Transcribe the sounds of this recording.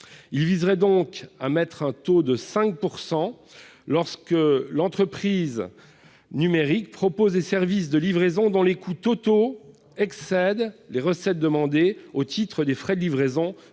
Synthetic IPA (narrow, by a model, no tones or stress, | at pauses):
ilvizʁɛd̪ɔ̃ka̰mɛt̪χɛ̃t̪od̪əsɛ̃k̚puʁsɑ̃ | lɔʁskəlɑ̃t̪χəpχiz | nymeʁik̚pχɔpozlesɛʁvis̬d̪əlivʁezɔ̃d̪ɔ̃lekʰut̪ot̪o | ɛksɛd̪leʁəsɛt̪̚d̪əmɑ̃d̪eot̪it̪χəd̪efχɛd̪əlivʁezɔ̃